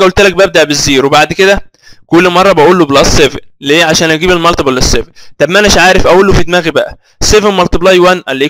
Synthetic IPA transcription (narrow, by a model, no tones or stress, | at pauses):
æʔolt̪elæk̚bæb̚d̪aʕbezːiːɾwebaʕd̪ked̪æ | kolːmɑrˤːɑbæʔuːlːoblɑsˤːevenleːʕaʃæːnʔæɡiːbelmɑlt̪ɑblːesːeft̪ˤɑbmænææʃʕaːɾefʔæʔulːofit̪mæːɣibæʔæ | sːevenmɑlt̪ˤɑblɑjwænʔælːi